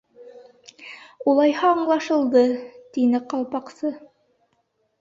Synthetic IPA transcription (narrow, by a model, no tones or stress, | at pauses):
ulˠɑjhɑːɴlˠɑʃɤ̆lˠd̪ɤt̪inɘqɑlˠpɑqsɤ